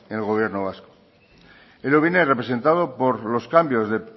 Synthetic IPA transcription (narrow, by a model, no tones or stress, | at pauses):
enelɣo̞β̞je̞ɾnoβ̞asko̥ | eloβinerepɾese̞nt̪að̞opoɾlo̞skambjo̞zðe̞